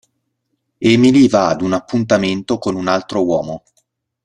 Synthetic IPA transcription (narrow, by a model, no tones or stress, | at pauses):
ɛmilivaːd̪unapːunt̪ament̪okonunalt̪ɾowɔːmo